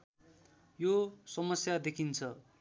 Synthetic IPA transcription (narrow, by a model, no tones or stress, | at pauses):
josʌmʌsjad̪ekʰint͡sʰʌ